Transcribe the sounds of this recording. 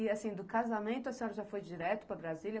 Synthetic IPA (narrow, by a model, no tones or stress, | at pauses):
ɪasĩd̪ʊkazamẽnt̪ʊɐsẽɲoɾɐʒafojd͡ʒiɾɛt̪ʊ̥pɾɐbɾazilʲɐ